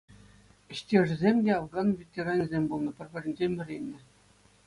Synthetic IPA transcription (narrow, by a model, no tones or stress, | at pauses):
ɘ̆ɕtʲeʐɘ̆zʲemʲdʲeɑʋɡɑnvʲetʲeɾɑnʲizʲemʲbulˠnɤ̆pʲɘ̆rʲbʲɘ̆rʲɘ̆nʲd͡ʑemʲɘ̆rʲenʲːɘ̆